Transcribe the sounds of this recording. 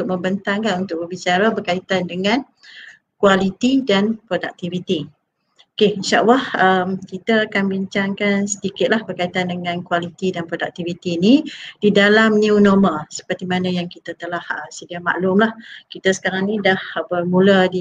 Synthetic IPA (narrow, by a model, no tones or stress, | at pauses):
ʊʔ̚mə̃mbənt̪aŋkanunt̪ʊk̚bəbit͡ʃaɾabərkait̪andəŋãn | kwalit̪idanpɾodak̚t̪ivit̪i | okeinʃa̰ʔwahəmkit̪aːkanbiɲt͡ʃaŋkansə̥d̪ikɪt̪̚lahbərkait̪andəŋãnkwalit̪idanpɾodak̚t̪ivit̪iːnid̥idalamniunoməlsə̥pərt̪imanə̃jaŋkit̪ət̪əlahəsədiama̰ʔlʊmlahkit̪asə̥kaɾaŋnĩdahbərmũlədi